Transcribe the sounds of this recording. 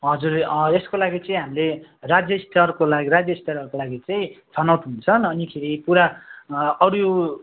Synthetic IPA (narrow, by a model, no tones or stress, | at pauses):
ɦʌd͡zureskolaɡit͡sʌĩɦamilerad͡zjʌst̪ʰʌrkolaɡiɾad͡zjʌist̪ʰʌɾʌɾkolaɡit͡sʌĩt͡sʰʌnawt̪ɦunt͡sʰʌnʌnikʰeɾipuɾa | ʌɾo